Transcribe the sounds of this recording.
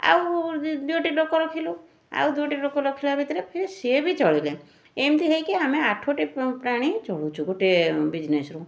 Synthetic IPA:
a̰wd̪uoʈiɖɔkɔɾɔkʰilu | a̰wd̪uoʈiɖɔkɔɾɔkʰilabʱit̪iɾepʰiɾisebit͡ʃɔɭile | emt̪iɦejkeameaʈʰoʈipɾaɽ̃it͡ʃɔɭut͡ʃʰuɡoʈebid͡ʒnesɾu

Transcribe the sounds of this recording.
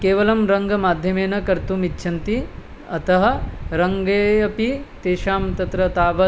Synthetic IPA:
keːʋɐlɐmɾɐŋɡɐmaːd̪ʱjɐmeːnɐkɐɾt̪umitːʃʰɐnt̪i | ɐt̪ɐɦɐ̆ɾɐŋɡeːɐpit̪eːʃaːmt̪ɐt̪ɾɐt̪aːʋɐ

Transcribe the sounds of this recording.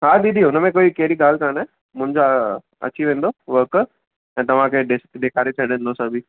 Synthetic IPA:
ɦad̪iːd̪iʊnəmẽkoːikɛɦɾiɠaːlkaːnɛː | mʊ̃ɦɪ̃ɲd͡ʑa | ɐ̰t͡ɕiʋẽːn̆d̪oʋək | ɛ̃ːt̪ɐʋ̤ãkʰeɗeskɗ̪eːkʰaːɾet͡ɕʰɐɽẽːnd̪osɐbʱiː

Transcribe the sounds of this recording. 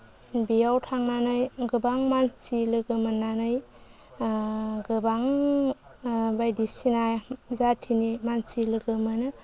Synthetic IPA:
bijawtʰaŋnanɯjɡɯbaŋmansilɯɡɯmɯnːanɯj | ɡɯbaŋ | bajdisinajzatʰinimansilɯɡɯmɯnɯ

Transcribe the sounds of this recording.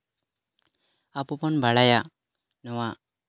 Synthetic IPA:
apɔpɔnbaɽajaʔ | nɔwaʔ

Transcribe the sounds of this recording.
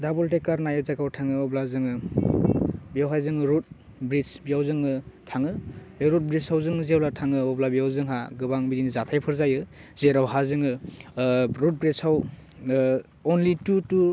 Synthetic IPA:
dabɔltekːaɾnajɯzakawtʰaŋɯɔblazɯŋɯ | bijawɦajzɯŋɯɾut̚ | bɾit͡ʃbijawzɯŋɯtʰaŋɯeɾut̚bɾisawzɯŋzeawlatʰaŋɯɔblabijawzɯŋɦaɡɯbaŋbidinizatʰajpʰɯɾzajɯz̥eɾawɦazɯŋɯ | ɾut̚bɾesaw | ɔnlitutu

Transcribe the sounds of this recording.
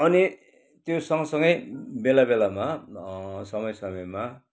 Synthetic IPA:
ʌni | t̪josʌŋʌsʌŋɡʌjbelabelama | sʌmʌjsʌmʌjma

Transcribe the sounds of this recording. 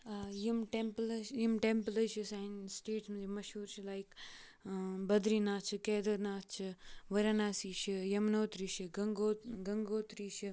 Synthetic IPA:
jimʈemplɐjimʈemplɐʃisainsʈeːʈsmɐd͡ʒimɐʃuːɾt͡ʃʰilaik | bɐd̪ɾinaːt͡ʃʰɨkeːd̪ɐɾnaːt͡ʃʰɨʋɐɾanaːsiːʃijɐmnoːt̪ɾiːʃiɡɐŋɡoːɡɐŋɡoːt̪ɾiːʃʰi

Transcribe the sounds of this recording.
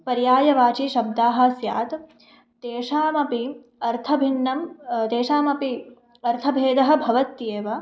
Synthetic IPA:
pɐɾjaːjɐʋaːt͡ʃiʃɐb̚d̪aːɦɐsjaːt̪ | t̪eːʃaːmɐpi | ɐɾt̪ʰɐbʱinːɐmt̪eːʃaːmɐpi | ɐɾt̪ʰɐbʱeːd̪ɐɦɐ̆bʱɐʋɐt̪jeːʋɐ

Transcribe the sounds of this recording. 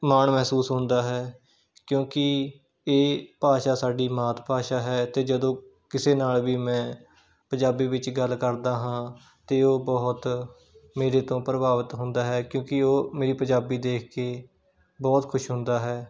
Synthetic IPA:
maːɳmɛɦsuːsɦʊ̃nd̪aːɦɛː | kjõːkɪ | eːpaːʃaːsaːɖiːmaːt̪paːʃaːɦɛːt̪eːd͡ʒəd̪õː | kɪseːnaːlʋiːmɛ̃ː | pə̃ɲd͡ʒaːbiːʋɪt͡ʃɡəlːkəɾd̪aːɦãː | t̪eːoːbɔːt̪ | meːɾeːt̪õːpɾəbaːʋət̪ɦʊ̃nd̪aːɦɛːkjõːkɪoːmeːɾiːpəɲd͡ʒaːbiːd̪eːkʰkeː | bɔːt̪kʰʊʃɦʊ̃nd̪aːɦɛː

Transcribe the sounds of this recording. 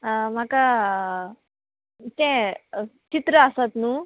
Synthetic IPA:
m̤aka | t̪ɛ̃ | t͡ɕit̪ɾəasat̪nũː

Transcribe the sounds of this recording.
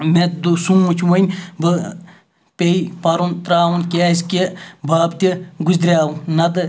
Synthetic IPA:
met̪d̪usumːut͡ʃʰʋɐnʲbɨ | pʲeipɐɾunt̪ɾaːwunkʲesʲkʲebʱaːbt̪ʲiɡuzʲd̪ɾʲaːnɐd̪ɨ

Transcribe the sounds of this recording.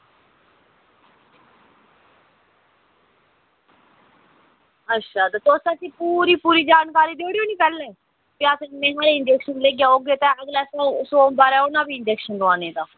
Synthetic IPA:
ətːʃʰaːt̪et̪oːsaːsiːpuːɾiːpuːɾiːd͡ʒaːnkaːɾiːd̪eoːɽeoːniːpɛːlẽː | piaːsẽmẽːɦaːɾeːɪnd͡ʒɛːkʃənleːɡjaːoːɡeːt̪ẽəɡlɛːsosoːbaːɾɛːʊnãːʋiːɪnd͡ʒɛːkʃənd̪əaːnẽːd̪aː

